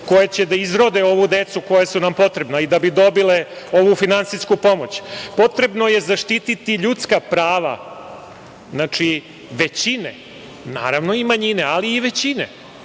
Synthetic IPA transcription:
ko̞jet͡ɕe̞d̪aizɾod̪eo̞ʋud̪et̪suko̞jasunampo̞t̪ɾe̞bnaid̪abid̪o̞bile̞ | o̞ʋufinant̪siskupo̞mo̞t͡ɕpo̞t̪ɾe̞bno̞je̞zaʂt̪it̪it̪iʎut̪skapɾaːʋa̰ | znat͡ʂi | ʋet͡ɕine | na̰ːɾaʋno̞imaɲine̞aliːʋe̞t͡ɕinḛ

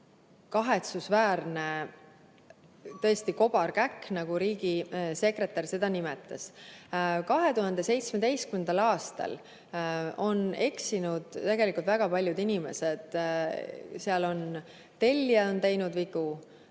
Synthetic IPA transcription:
kɑɦe̞t̪susvæːrne̞ | t̪ɤest̪iko̞b̥ɑrkækːnɑɡ̥uɾiːɡise̞kre̞t̪ːˑɑrse̞d̪̥ɑnimet̪ːˑɑs | kɑɦe̞t̪uɦɑnd̪̥e̞se̞jt̪smed̪e̞jskymend̪̥ɑlɑːst̪ɑ̰l | o̞ne̞ksinud̪̥t̪ːeɡ̥e̞likult̪væɡ̥ɑpɑlʲjud̪inime̞sed̪̥ | seɑlo̞n | t̪e̞lʲːjɑo̞nt̪e̞jnud̪viɡ̥u

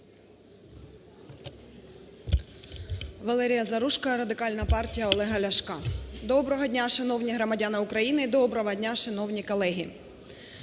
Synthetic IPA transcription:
ʋɐlˠɛɾʲijɐzɐɾuʃkɐɾɐd̪ɪkɑlʲnɐpɑrtʲijɐɔlˠɛɦɐlʲɐʃkɑd̪ɔbɾɔɦɔdʲnʲaʃɪnɔwnʲiɦɾɔmɐdʲanɪʊkɾɐjinɪid̪ɔbɾɔɦɔdʲnʲaʃenɔwnʲikɔlˠɛɦʲi

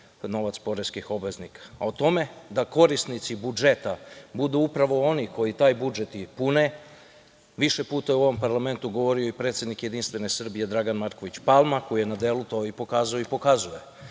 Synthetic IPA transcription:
no̞ʋat̪spo̞ɾeskixo̞bʋe̞znikḁːot̪o̞me̞d̪ako̞ɾist̪nit̪sibud͡ʒe̞t̪abud̪uupɾaʋo̞o̞niko̞jit̪aːjbud͡ʒe̞t̪ipune̞ | ʋiʃe̞puːt̪ajeuo̞ʋo̞mpaɾlˠame̞nt̪uɡo̞ʋo̞ɾio̞ipɾet̪sjed̪nikje̞d̪inst̪ʋe̞ne̞sr̩bije̞d̪ɾaɡanmaɾko̞ʋit͡ɕpalˠmakojije̞nad̪elut̪oipo̞kaːzaoipo̞kazuje

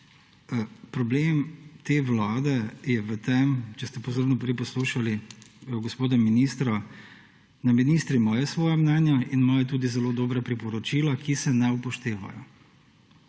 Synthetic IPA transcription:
pɾɔbleːmt̪eːʋlaːd̪ɛjɛʋət̪ɛmt͡ʃɛst̪ɛpozoɾnɔpɾɛjpɔsluːʃaliɡɔspoːd̪ɔminiːst̪ɾɔ | naminist̪ɾimɔːjɛsʋɔːjɛmnɛnjainmɔːjɛt̪uːd̪izɛloːd̪oːbɾapɾipɔɾɔt͡ʃilakisɛnɛupɔʃt̪eːʋa̰jɔ̰

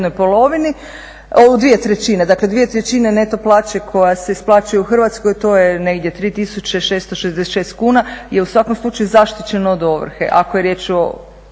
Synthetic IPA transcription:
nojpolo̞ʋini | oud̪ʋije̞t̪ɾet͡ɕine̞d̪akled̪ʋije̞t̪ɾet͡ɕine̞ne̞t̪o̞plˠaːt͡ʃe̞kʰo̞jase̞isplˠaːt͡ʃujeuxr̩ʋat̪sko̞jt̪ojene̞ɡd̪jet̪ɾiːt̪isut͡ɕe̞ʃest̪oʃezd̪esʃeːst̪kuːnajeusʋakomslˠut͡ʃajuzaʃt̪it͡ɕe̞noːd̪o̞ʋ̰r̩xḛʔakoje̞ɾjeːt͡ʃo̰

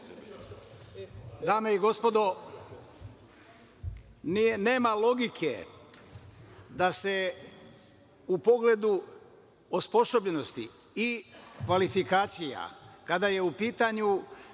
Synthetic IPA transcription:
d̪aːmeiɡo̞spo̞d̪o̞ | nne̞ːmalo̞ɡikʰe | d̪ase̞ | upo̞ɡle̞d̪u | ospo̞so̞bʎe̞no̞st̪ḭ | ikʋalifikaːt̪sija̰kad̪aje̞upiːt̪aɲu

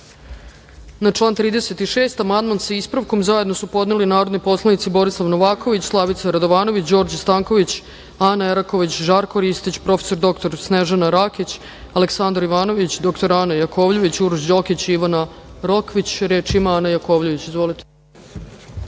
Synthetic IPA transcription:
nat͡ʂlˠaːnt̪ɾiːd̪ese̞t̪iʃe̞ːst̪amand̪manseispɾaʋko̞mzaje̞d̪no̞supo̞d̪nelinaːɾo̞d̪nopo̞slˠanit̪sibo̞ɾislˠaʋnoʋaːko̞ʋit͡ɕslˠaʋit̪saɾad̪o̞ʋaːno̞ʋit͡ɕd͡ʑo̞ːɾd͡ʑst̪aːŋko̞ʋit͡ɕ | anaeɾako̞ʋit͡ɕʒaːɾkoɾist̪it͡ɕpɾo̞fe̥so̞ɾd̪o̞kt̪oɾsneʒanaɾakit͡ɕ | aleksand̪ɾaiʋaːno̞ʋit͡ɕd̪o̞kt̪oɾanajakʰo̞ːʋʎeʋit͡ɕuɾuʒd͡ʑo̞kit͡ɕiʋana | ɾo̞kʋit͡ɕɾeːt͡ʃimaanajako̞ːʋʎeʋit͡ɕizʋo̞lit̪e̥

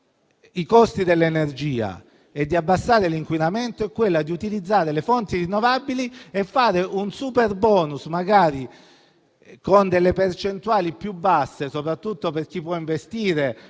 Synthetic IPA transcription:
ikɔst̪id̪elːenerd͡ʒiːa̰ | ed̪ːiabːasːaːɾeliŋkwinament̪oɛkːwelːad̪iut̪ilid̪zːaːɾelefont̪irinːovabiliefːaːɾeʔunsuperbɔːnusmaɡaːɾi | kond̪elːepert͡ʃent̪uaːlipjubːasːesopɾat̪ːut̪ːoperk̟ipːwɔiɱvest̪iːɾe

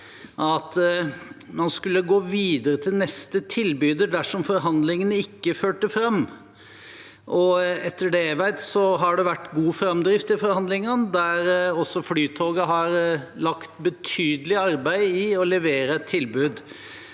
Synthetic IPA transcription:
ʔɑt̪ | mɑnskʉlːəɡoːʋiːd̪əɾət̪ʰɪlnɛst̪ət̪ʰɪlbyːd̪əɖ̪æʂɔmfɔɾɦɑnd̪lɪŋənəɪkːəføːʈəfɾɑmː | ʔɔɛt̪ʰːəɖɛʋæɪt̪sɔɦɑɖɛʋæʈːɡuːfɾɑmd̪ɾɪft̪ɪlfɔɾhɑnd̪lɪŋənd̪æɾɔsːɔflyːt̪ʰoːɡəɦɑɾlɑkt̪bət̪ʰyːd̪əlɪɑɾbæɪɪɔlɛʋeːɾəɛt̪ʰːɪlbʉːd̪

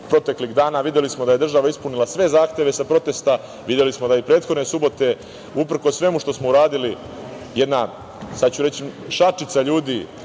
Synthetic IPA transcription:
pɾo̞t̪e̞kliɣd̪aːnaʋid̪je̞lismod̪aje̞d̪r̩ʒaʋaispunilˠasʋe̞zaːxt̪je̞ʋe̞sapɾo̞t̪e̞st̪a | ʋid̪je̞lismo̞d̪aipɾeːt̪xod̪nesubo̞t̪e̞ | upɾ̩ko̞sːʋe̞muʃt̪osmo̞uɾaːd̪ili | je̞d̪na | sad̪t͡ɕuɾet͡ɕiʃat͡ʃit̪saʎuːd̪i

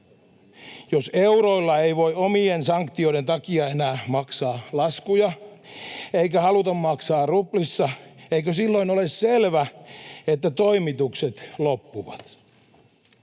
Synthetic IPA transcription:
joseuɾoilːɑejʋo̞iomiensɑŋkt̪io̞iɾent̪ɑkiɑenæːmɑksɑːlɑskujɑ | eikæhɑlut̪ɑmmɑksɑːrruplisːɑeikøsilːoinolesselʋæet̪ːæt̪o̞imit̪ukset̪lopːuʋɑt̪

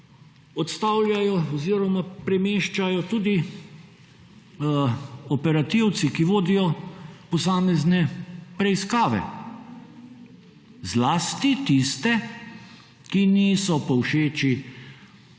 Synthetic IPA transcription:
ɔt̪st̪awlʲjajɔɔziːɾɔmapɾɛmeːʃt͡ʃajɔt̪uːd̪i | ɔpɛɾat̪iw̪sikiʋoːd̪ijɔpɔsaːmɛznɛpɾɛiskaːʋɛ̰ | zlaːst̪it̪ist̪ɛ | kiniːsɔpɔwʃeːt͡ʃi

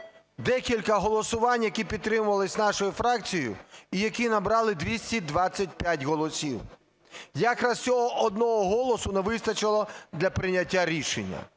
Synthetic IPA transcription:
d̪ɛkʲilʲkɐɦɔlˠɔsʊʋɑnʲjɐkʲipʲid̪̚t̪ːɾɪmʊʋɐlˠɪsʲnɑʃɔjʊfɾɑkt͡sʲijʊ̰ijɐkʲinɐbɾɑlˠɪd̪ʋʲisʲtʲid̪ʋɑt͡sʲːɐt̚ʲpʲjatʲɦɔlˠɔsʲiw | jakɾɐssʲɔɦɔʔɔd̪̚nɔɦɔɦɔlˠɔsʊneʋɪst̪ɐt͡ʃɪlˠɔd̪lʲɐpɾɪnʲɐtʲːaɾʲiʃenʲːɐ̰

